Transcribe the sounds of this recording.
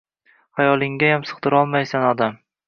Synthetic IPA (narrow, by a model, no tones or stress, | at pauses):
hajɒlˠɪŋɡʲajamsɨ̥qd̪ɪɾɒlˠmajsanɒd̪am